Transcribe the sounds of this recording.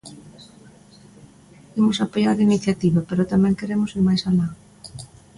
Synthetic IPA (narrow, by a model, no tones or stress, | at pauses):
imʊsapojaɾiniθjat̪iβapeɾot̪amɛ̃ŋkeɾemʊsiɾmajsala